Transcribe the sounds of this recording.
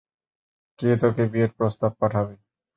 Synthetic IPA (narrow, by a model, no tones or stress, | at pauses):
ket̪ɔkebieʈpɾost̪ab̚paʈʰabe